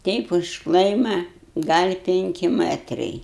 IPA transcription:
ˈtʲɛɪp ʊʃ ˈklˠɐɪmɐ ɡɐlʲ ˈpʲɪŋʲkʲɪ ˈmɜtrɐɪ

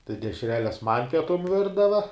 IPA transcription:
tɐɪ dʲɛʃʲˈrʲæːlʲɛs mɐnʲ pʲiɛˈtʊm ˈʋʲɪrdɐʋɐ

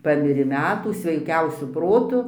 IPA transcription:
ˈpɑːmʲɪrʲeː ˈmʲæːtuː sʲʋʲɛɪˈkʲɛʊsʲʊ ˈproːtʊ

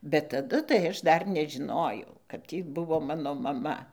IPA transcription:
bʲɛt tɐˈdʊ tɐɪ ˈɐʃ ˈdɐr nʲɛʒʲɪˈnoːjɛʊ kɐt ˈtʲiː ˈbʊʋoː ˈmɑːnoː mɐˈmɐ

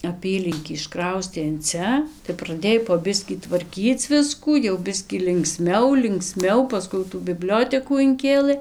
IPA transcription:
ɐˈpʲiːlʲɪŋʲkʲiː ɪʃˈkrɐʊsʲtʲeː ɪn ˈt͡sʲɛ tɐɪ prɐˈdʲeːj poː ˈbʲɪsʲkʲiː tʋɐrʲˈkʲiːt͡s ˈʋʲɪskuː jɛʊ ˈbʲɪsʲkʲiː lʲɪŋkˈsʲmʲɛʊ lʲɪŋkˈsʲmʲɛʊ pɐˈskʊɪ jɛʊ tuː bʲɪˈbʲlʲoːtʲɛkuː ɪŋʲˈkʲeːlˠɘ

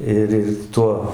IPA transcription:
ˈɪr ˈɪr ˈtuɔ

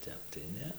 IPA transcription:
ˈtʲɛp tɐɪ ˈnʲɛ

